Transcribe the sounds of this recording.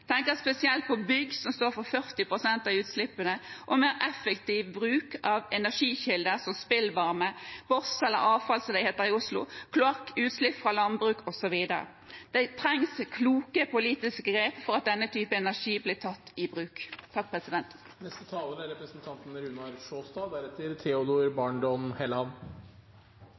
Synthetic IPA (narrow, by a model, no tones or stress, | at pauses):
t̪ʰɛŋkəɾspɛsɪɛlt̪̚pʰɔbʏɡːsɔmst̪oːɾfɔɾfœʁt̪ɪpʰɾʊsɛnt̪ɑʉːt̪slɪpːənəʔɔmeːɾʔɛfɛkt̪iʋbɾʉːkɑʋɛnæʂiːçɪld̪əsɔmspɪlʋɑɾməb̥ɔsɛlːə̰ɾɑːʋfɑlslɛheːt̪əɾɪʊslʊ̰kʰlʊɑkːʉːt̪slɪpːfɾɑlɑnbɾʉːkʰɔsɔʋiːd̪ə̰ɾə̰ | d̪̥ɛɪt̪ʰɾɛŋskʰluːkəpʰʊliːt̪ɪskəɡɾeːpfɔɾɑt̪̚d̪ɛnːət̪ʰyːpəɛnæʂiːbliːt̪ʰɑt̪ːɪbʁʉːkt̪ʰːɑk̚pʰʁɛsɪd̪ɛnt̪ | nɛst̪ət̪ʰɑːləɾæɾɛpɾəsnt̪ʰɑnt̪nɾʉnɑɾʂoːst̪ɑːd̪æɾɛt̪əɾt̪ʰɛʊd̪oːɾbɑɳɖɔnhɛlɑn